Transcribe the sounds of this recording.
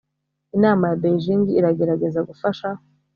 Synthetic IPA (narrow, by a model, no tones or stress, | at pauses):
inaːmajabeʒiŋɡiːɾaɡe̞ɾaɡe̞zaɡufaʃa